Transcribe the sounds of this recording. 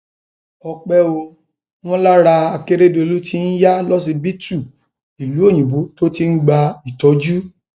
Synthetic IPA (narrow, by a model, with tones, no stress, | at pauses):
ɔ˧k͡pɛ˦o˧ | w̃ɔ̃˦la˦ɾa˧a˧ke˦ɾe˦do˧e˧lu˦tʰi˦n̩˦ja˦lɔ˦s̬i˧bi˦tu˦˨ | i˨lu˨˦o˦˨j̃ũ˨bu˨˦to˦ti˧n̩˦ɡ͡ba˧i˨tɔ˨˦d͡ʒu˦